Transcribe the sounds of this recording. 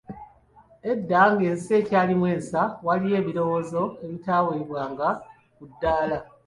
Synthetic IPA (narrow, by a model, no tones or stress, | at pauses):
e̞dːaŋɡe̞ːnseːcaːlimwe̞ːnsawalije̞ːβiɾo̞wo̞ːzo̞eβitaːweiβwaːŋɡa | kudːaːla